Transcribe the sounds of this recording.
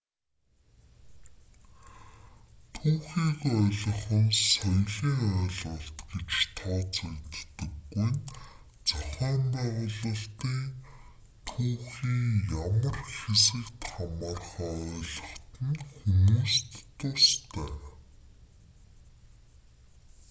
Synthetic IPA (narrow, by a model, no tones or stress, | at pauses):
t̪ʰuːxiːkɔːɮɞ̆χɞ̆nsɔjɮiːŋœːɮə̆ɬt̪ɡet͡ɕt̪ʰɔːt͡sakt̪ːə̆kːujn | t͡sɔχɔːmpæːʁʊɮə̆ɬt̪iːŋ | t̪ʰuːxiːŋjamə̆rxesɘ̆kt̪χamaːrχaːœːɮə̆χt̪ə̆nxumuːst̪ːʊst̪ʰæː